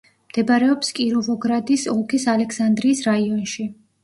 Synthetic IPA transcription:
md̪̥ɛbaɾɛɔpskʼiɾuvɔɡɾad̪isɔlˠkʰisalɛksand̪ɾiːsɾaiɔnʃi

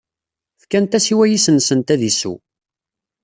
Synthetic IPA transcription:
fkænt̪æsiwæjisənsənt̪æðisṵ

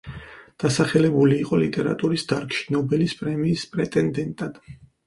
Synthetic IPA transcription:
d̪̥asaχɛlɛbuliːqʼɔlit̪ʼɛɾa̰t̪ʼuɾisd̪aɾkʼʃi̥nɔbɛlispʼɾɛmiːspʼɾɛt̪ʼɛnd̪ɛnt̪ʼad̪̥

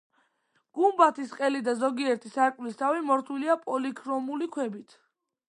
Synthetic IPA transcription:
ɡ̥umbat̪ʰisqʼɛlid̪azɔɡiɛɾt̪ʰisaɾkʼwlist̪ʰavimɔɾt̪ʰwiliapʼɔlikʰɾɔmulikʰwɛbit̪ʰ

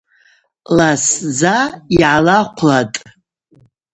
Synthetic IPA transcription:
laszaiʕalaqʷʰlatʼ

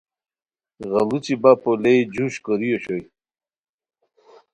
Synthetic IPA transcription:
ɣɐlut͡ɕibapoled͡ʑuɕkoɾijoɕoj

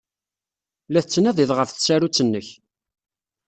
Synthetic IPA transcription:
læθət͡sːnæðˤiðˤʁəfθsæɾut͡sːənːəç

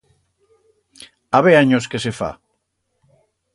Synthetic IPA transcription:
aβeaɲoskesefa̰

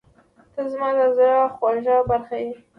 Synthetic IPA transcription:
t̪əzmɑd̪azaɾɑxwɑʒɑbaɾxaji

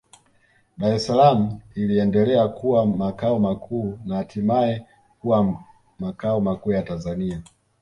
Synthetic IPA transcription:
ɗaɾɛsalamuiliɛndɛlɛakuwamakaɔmakʰuːnahatimaɛ | kuwa | makaɔmakuːjatanzania

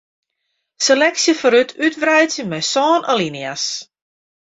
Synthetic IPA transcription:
selɛksjəfəɾytʰytʋrɛjtjəmɛjsɔːnalinijas

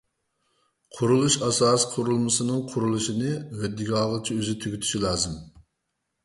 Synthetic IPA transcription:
qʰʊɾulˠuʃɑsɑːsqʰʊɾulˠmɨsɨnɨŋqʰʊɾulˠuʃinɨhød̪ːiɡʲɑʁət͡ʃʰiøzɪt̪ʰyɡʲyt̪ʰy̥ʃilˠɑːzɨm

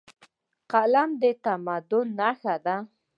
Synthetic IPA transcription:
qalamd̪et̪amad̪ʊnːaxad̪a

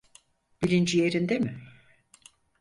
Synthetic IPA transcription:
b̥ilʲind͡ʒije̞ɾind̪emɪ

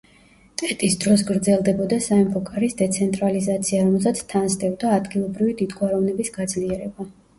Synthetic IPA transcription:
t̪ʼɛt̪ʼisd̪ɾɔs̬ɡɾd̪zɛlˠd̪ɛbɔd̪asaɛmpʰɔkʼaɾisd̪ɛt̪sʰɛnt̪ʼɾalizat̪sʰiaɾɔmɛlˠsat̪sʰt̪ʰːansd̪ɛvd̪aːd̪ɡilˠɔbɾivid̪id̪ɡʼwaɾɔvnɛbisɡad̪zliɛɾɛba

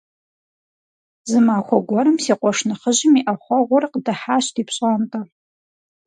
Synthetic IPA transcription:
zɨmaːxʷɔɡʷɔɾɨmsiːqʷʼɔʂnɨχəʑɪmiʔɐχʷɔʁʷʊrqdɐħaːɕtʰiːpɕʼantʼɐ

